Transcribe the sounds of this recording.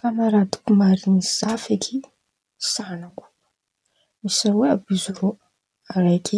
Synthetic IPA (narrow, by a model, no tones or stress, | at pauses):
kanaɾat̪u̥kumaɾiniz̥afekʰi | sanaku̥ | misaweabizuɾo | raki